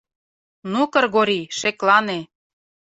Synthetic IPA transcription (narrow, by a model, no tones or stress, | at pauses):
nukɤ̆rɣoɾiʃeklɑne